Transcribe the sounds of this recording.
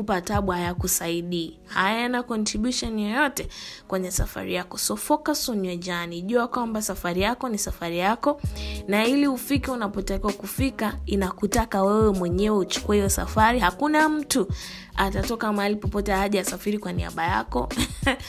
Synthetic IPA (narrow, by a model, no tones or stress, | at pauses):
kupataɓwaajakusaiɗiː | hajɛnakɔntɾiɓjuʃɔnijɔjɔtɛkwɛɲɛsa̰fa̰ɾijakɔsɔfɔkasɔnɛd͡ʒaniʄuakwambasafaɾijakɔnisafaɾijakɔnailiufikiunapɔtakiwakufikainakutakawɛwɛmwɛɲɛwɛut͡ʃu̥kuɛhijɔsa̰faɾiɦakunam̩tu | atatɔkamaalipɔpɔtɛaʄaasafiɾikwanḭa̰ɓaja̰kɔ̰